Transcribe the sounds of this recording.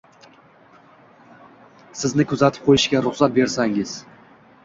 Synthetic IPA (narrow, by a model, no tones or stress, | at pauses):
sɪznɪkʰʊzat̪ʰɪ̥p̚qʰojɪʃɡʲaɾʊχsat̪̚be̞ɾsaŋɪz̥